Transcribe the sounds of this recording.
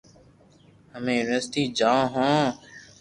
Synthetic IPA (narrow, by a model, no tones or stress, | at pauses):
həmẽːnəst̪iːd͡ʒãːɦõː